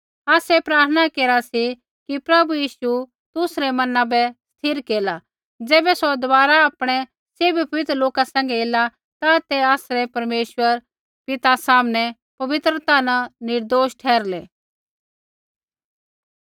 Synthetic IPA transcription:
aːsɛpɾaːɾt̪ʰənakeːɾasi | kipɾɐbujiːʃu | t̪ʊsɾɛmɐnãbɛst̪ʰɪɾkeːla | d͡zɛːbɛsod̪ʊʋaːɾaaːpɽ̃ɛ | sɪbpɐʋɪt̪ɾəloːkasɛ̃ːŋ̆ɡɛeːla | t̪at̪ɛaːsɾɛpɐɾmeːʃwəɾ | pɪt̪asaːmnɛ | pɐʋɪt̪ɾət̪ananɪɾd̪oːsʈʰɛːɾleː

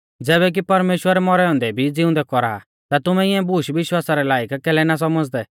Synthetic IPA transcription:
d͡zɛːbɛk̬ipɐɾmeːʃwəɾɛmɔɾɛɔ̃ːnd̪ɛbʱid͡zɪʊ̃nd̪ɛkɔɾa̰ː | t̪at̪ʊmɛ̃ɪɛ̃buʃʋɪʃwaːsaɾɛlaːjəkkɛːlɛnas̬ɔməd͡zd̪ɛ

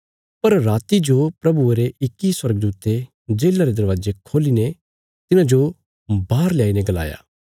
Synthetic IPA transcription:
pɐɾɾaːt̪id͡ʒopɾɐbueɾeɪkːiswɐɾəɡd̪uːt̪e | d͡ʒeːlaɾed̪ɐɾʋaːd͡ʒekʰoːlinɛ | t̪ɪnãd͡ʒo | baːɾljaːinɛɡɐla̰ːja̰ː

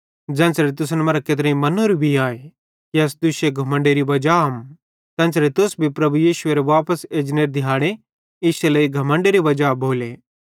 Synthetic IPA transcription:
d͡ʒɛ̃ːnsɾet̪ʊs̬nmɐɾaket̪̬ɾẽĩmɐnoɾibʱiaːe | kiɐs̬d̪ʊʃeɡʱɐmə̃ɳɖeɾiʋɐd͡ʒaɦɐm | t̪ɛ̃ːnsɾet̪ʊsbʱipɾɐbujiːʃʊeɾeʋaːpəseːd͡ʒneːɾd̪ʱɪjaːɽ̃e | ɪseləiɡʱɐmə̃ɳɖeɾiʋɐd͡ʒaboːleː

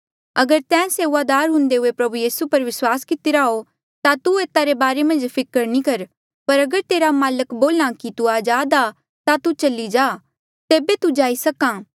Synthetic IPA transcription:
ɐɡəɾt̪ɛ̃ːseːʋad̪aːɾɦʊ̃nd̪eɦʊepɾɐbujiːsupɐɾʋɪswaːskɪt̪iɾaːɦo | t̪at̪ueːt̪aɾebaːɾemɐ̃nd͡ʒpʰɪkəɾnĩkɐɾ | pɐɾɐɡəɾt̪eːɾamaːləkboːlãkit̪uaːd͡ʒaːd̪a | t̪at̪ut͡ʃɐlːid͡ʒaː | t̪eːbet̪ud͡ʒaːisɐkãː

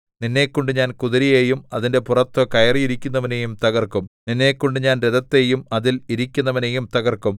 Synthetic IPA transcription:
ninːe̞kːoɳɖuɲaːnkuðɐɾijejumɐðinde̞purɐt̪ːokɐjɐrijiɾikʲːunːɐʋɐnejumt̪ɐɣɐrkumninːe̞ːkːoɳɖɨɲaːnɾeðɐt̪ːejumɐðiliɾikʲːunːɐʋɐnejumt̪ɐɣɐrkum

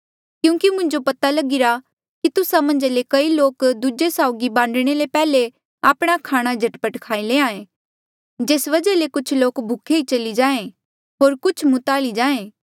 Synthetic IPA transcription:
kjũːkimʊ̃ɲd͡ʒopɐt̪alɐɡɪɾa | kit̪ʊsamɐ̃ɲd͡ʒlekɐiloːkd̪ud͡ʒesaːʊɡibãːɳɖɽ̃elepɛːle | aːpɽ̃akʰaːɽ̃ad͡ʒʱɐʈpəʈkʰaːileːãːẽ | d͡ʒeːsʋɐd͡ʒəlekʊt͡ʃʰloːkbʱʊkʰeit͡ʃɐlid͡ʒãːẽ | ɦoːɾkʊt͡ʃʰmʊt̪aːlid͡ʒaːẽː

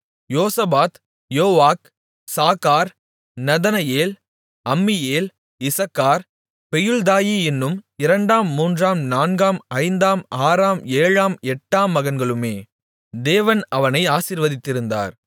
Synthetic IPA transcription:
joːsɐbaːt̪ | joːʋaːk | saːkːaːɾ | nɐðɐnɐjeːl | ɐmːɪjeːl | ɪsɐkːaːɾ | pɛjɯɭd̪aːjiːɛnːɯmɪɾɐɳɖaːmːuːndraːmnaːnɡaːmɐɪnd̪aːmaːɾaːmeːɻaːmɛʈːaːmːɐɣɐnɡɐɭɯmeː | d̪eːʋɐnɐʋɐnɐɪaːsiɾʋɐðɪt̪ːɪɾɯnd̪a̰ːɾ

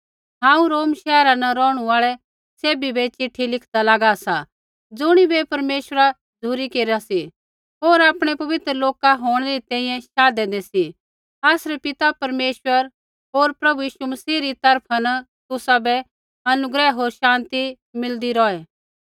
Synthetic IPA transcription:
ɦãːũɾoːmʃɛːɾanɐɾɔːɽ̃uaːɭɛ | seːbibɛt͡ʃɪʈʰːilɪkʰd̪alaːɡasa | d͡zʊɽ̃ibɛpɐɾmeːʃɾa | d͡zʱuɾikeːɾasi | oːɾaːpɽ̃ɛpɐʋɪt̪ɾəloːkaɦoːɽ̃ɛɾit̪ɛ̃ːĩjɛ̃ʃaːd̪ɛd̪ɛsi | aːsɾɛpɪt̪apɐɾmeːʃwəɾ | ɦoːɾpɾɐbujiːʃumɐsiːɾit̪ɐɾpʰanɐ | t̪ʊsabɛ | ɐnʊɡɾɛɦoːɾʃãːnt̪i | mɪld̪iɾɔːɛː

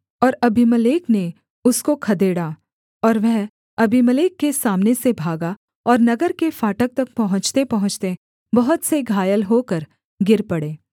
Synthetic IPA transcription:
ɔːɾɐbʱimɐleːkne | ʊskokʰɐd̪eːɽa | ɔːɾʋɛɦ | ɐbʱiməleːkːesaːmnesebʱaːɡa | ɔːɾnɐɡəɾkefaːʈək̚t̪ɐk̚pɐɦʊ̃t͡ʃt̪epɐɦʊ̃t͡ʃt̪e | bɐɦʊt̪seɡʱaːjəlɦoːkəɾ | ɡɪɾpɐɽeː

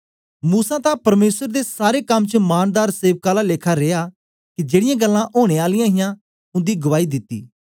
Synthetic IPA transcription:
muːsãːt̪ãpɐɾmeːsəɾd̪esaːɾekɐmt͡ʃəmaːnd̪aːɾseːʋkaːlaleːkʰaɾeːaː | kid͡ʒeːɽɪjãːɡəlːãʔoːɽ̃eaːlɪjãɦɪjã | ʊ̃nd̪iːɡʊʋaːid̪ɪt̪ːḭː

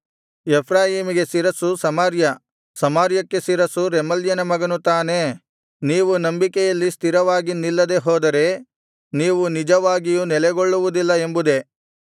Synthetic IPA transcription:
epʰɾaːjiːmiɡe̞siɾɐsusɐmaːɾjɐ | sɐmaːɾjɐkːe̞siɾɐsuɾɛmɐljɐnɐmɐɡɐnut̪aːne̞ | niːʋunɐmbikɛjɐlːist̪ʰiɾɐʋaːɡinilːɐd̪e̞ɦɔːd̪ɐɾe̞ | niːʋunid͡ʒɐʋaːɡijunɛlɛɡo̞ɭːuʋud̪ilːɐe̞mbud̪e̞

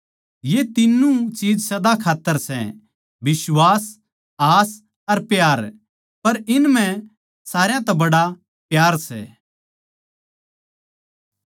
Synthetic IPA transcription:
jet̪ɪnːũt͡ʃiːd͡ʒsɐd̪akʰaːt̪ːəɾsɛ̰ | bɪsʋaːs | aːs | ɐɾpjaːɾ | pɐɾɪnm̤ɛ̃ | saːɾjãt̪ɐbɐɽa | pjaːɾsɛ̰ː

